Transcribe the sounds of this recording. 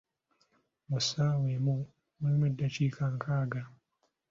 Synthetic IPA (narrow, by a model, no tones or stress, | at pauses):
musawemu | muimedːat͡ʃikʰaŋkaːɡa